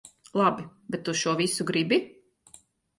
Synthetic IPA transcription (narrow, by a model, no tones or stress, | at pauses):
lˠabibɛt̪ːuʃuɔvisuɡɾibi